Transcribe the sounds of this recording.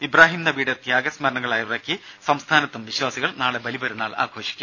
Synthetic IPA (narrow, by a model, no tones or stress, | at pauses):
ibraːɦimnɐbiːɽet̪jaːɡɐsmɐɾɐɳɐɣɐɭaːjɐʋrɐkːisɐmst̪ʰaːnɐt̪ːumʋiɕwaːsiɣɐɭnaːɭebɐlibɐɾunːaːɭa̰ːɡʰʱo̞ːɕi̥kʲːu